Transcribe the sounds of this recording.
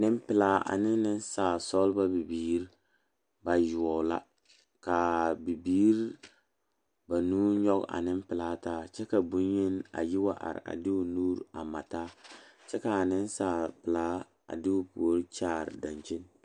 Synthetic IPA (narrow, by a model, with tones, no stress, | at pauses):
nɪ˦m˦pɪ˨laː˦a̰˨nɪ˦nɪ˦n˦saː˨sɔ˦lba˦bi˨biː˦ɾ | ba˨jʊ˨ɔ˨la̰˦ | ka˨bi˨biː˦ɾ | ba˨nuː˦ɲɔ˦ɡa̰˨nɪ˦m˦pɪ˨laː˦taː˦t͡ʃɛ˦ka˨bu˦nɲe˦na̰˨jɪ˦wa˦ʔa̰˨ɾ̰a̰˨dɪ˦u˨nuː˦ɾa˨ma˨taː˦t͡ʃɛ˦kaː˨nɪ˦n˦saː˨pɪ˨laː˦ | a̰˨dɪ˦ʊ˨pu˨o˦ɾt͡ʃaː˦˨ɾda˨nt͡ʃɪ˦n